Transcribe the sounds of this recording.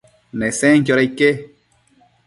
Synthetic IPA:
nẽsẽŋkoɾeike

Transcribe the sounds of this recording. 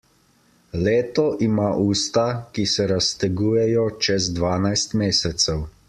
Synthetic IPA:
leːt̪ɔʔimaʔuːst̪akisɛɾast̪ɛɡuːjɛjɔt͡ʃɛzd̪ʋaːnajst̪meːsɛt̪sɛw

